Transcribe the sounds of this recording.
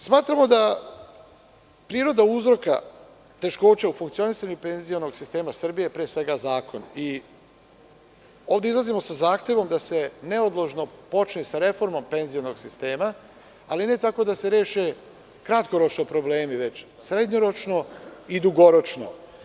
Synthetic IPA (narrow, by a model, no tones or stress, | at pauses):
smaːt̪ɾamo̞d̪a | pɾiːɾo̞d̪auzɾo̞ka̰ | t̪e̞ʃko̞ːt͡ɕaufuŋk̪sio̞nisaɲupe̞nzionoɡsist̪e̞ːmasr̩bijepɾeːsʋe̞ɡazaːkʰo̞ni | o̞ːvd̪e̞izlˠazimo̞sazaːxt̪e̞ʋo̞md̪ase̞ne̞od̪lˠoʒno̞po̞t͡ʃnisaɾe̞fo̞ɾmo̞mpe̞nzijono̞ɡ̥sist̪e̞ːma | alinet̪ako̞d̪ase̞ɾeːʃe | kɾat̪ko̞ɾo̞t͡ʃnopɾo̞ble̞ːmiʋe̞t͡ɕsɾe̞d̪ɲoɾo̞t͡ʃno̞id̪uɡo̞ɾo̞t͡ʃno̰